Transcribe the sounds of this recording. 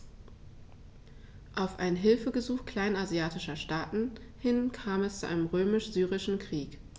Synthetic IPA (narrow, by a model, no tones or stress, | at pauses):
ʔaʊfʔaɪnɦɪlfəɡəzuːxkl̥aɪnazjaːtɪʃɐʃtaːtn̩ | hɪnkʰaːmɛst͡suʔa̰ɪnəmʁøːmɪʃz̥yːʁɪʃn̩kʁ̥iːk